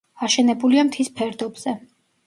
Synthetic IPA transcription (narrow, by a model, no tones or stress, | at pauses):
aʃɛnɛbuliamt̪ʰispʰɛɾd̪ɔbz̥ɛ